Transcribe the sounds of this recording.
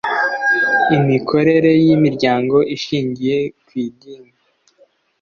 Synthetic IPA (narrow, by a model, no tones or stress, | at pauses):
imikʰo̞ɾe̞ɾe̞jimiɾɟaːŋɡo̞ʔiʃiːɲɟije̞kwiːɡiːŋɡa